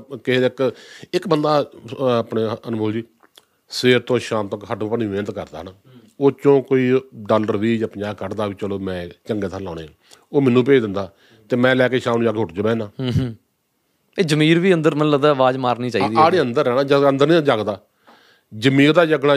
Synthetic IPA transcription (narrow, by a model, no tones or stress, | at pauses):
keːd̪ːɪkɪkbənd̪aːpneːənboːld͡ʒiː | seːɾt̪õːʃaːmt̪õːkɦəʈːpənʋẽːnt̪kəɾd̪a̰ːɦənaː | oːt͡ʃõːkoːiːɖaːləɾʋiːd͡ʒəpɲaːkəɾd̪aːʋiːt͡ʃəloːmɛ̃ːt͡ʃəŋɡeːt̪ʰãːlã̰ːnḛː | oːmɛːnũːp̬eːd̪ɪnd̪aː | t̪eːmɛ̃ːlɛːkeːʃaːmnũːd͡ʒaːkeɦʊʈd͡ʒobɛ̃ːnaː | eːd͡ʒəmiːɾʋiːənd̪əɾmələt̪ːəʋaːzmaːɾniːt͡ʃaːiːd̪iaːɽeːənd̪əɾːɛːnaːd͡ʒənd̪əɾnĩːd͡ʒaːɡd̪aː | d͡ʒəmiːɾd̪aːd͡ʒəɡɽaː